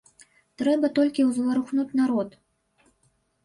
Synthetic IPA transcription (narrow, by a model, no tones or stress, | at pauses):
t̪ɾɛbɐt̪ɔlʲkʲiwzvɐɾuxnut͡sʲnaɾɔt̪